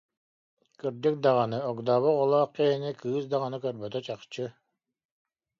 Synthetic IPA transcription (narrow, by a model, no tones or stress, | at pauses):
kiɾd̪ik̚d̪aʁanɯɔɡd̪aːβɔqɔlˠaːqkɛɦinikɯːsd̪aʁanɯkœɾbœt̪œt͡ɕaqt͡ɕɯ